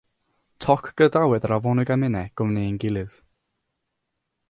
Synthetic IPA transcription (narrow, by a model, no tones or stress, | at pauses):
tʰɔkʰɡ̥ədawɛdəɾavɔnɨɡamɪnɛɡ̥ʊmniənɡɪlˠɨð̥